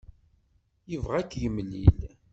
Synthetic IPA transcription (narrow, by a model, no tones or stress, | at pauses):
jəvʁækːʝəmːlḭl